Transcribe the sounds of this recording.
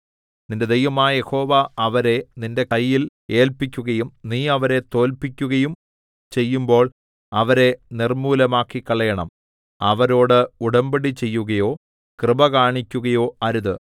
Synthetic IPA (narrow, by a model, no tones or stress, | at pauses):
ninded̪ejʋɐmaːje̞ho̞ːʋɐɐʋɐɾe̞ninde̞kɐjːil | e̞ːlpikʲːuɣɐjumniːɐʋɐɾe̞t̪o̞ːlpikʲːuɣɐjum | t͡ɕe̞jːumbo̞ːɭ | ɐʋɐɾe̞nirmuːlɐmaːkːikːɐɭɐjɐɳɐm | ɐʋɐɾo̞ːɽɨuɽɐmbiɽit͡ɕe̞jːuɣɐjo̞ː | krɨbɐkaːɳikʲːuɣɐjo̞ːɐɾuðɨ